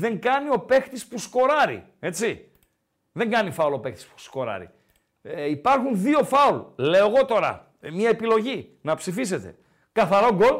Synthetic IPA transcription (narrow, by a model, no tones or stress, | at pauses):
ðe̞ŋɡɐnio̞pe̞xt̪ispusko̞ɾɐɾḭ | e̞t͡si | ðe̞ŋɡɐnifɐulo̞pe̞xt̪i̥spu̥sko̞ɾɐ̰ɾḭ | eipɐɾxunðio̞fɐulle̞oeɣo̞t̪o̞ɾɐ̰ | mɲɐepilo̞ʝi | nɐpsifise̞t̪e̞̰ | kɐθɐɾoɡo̞l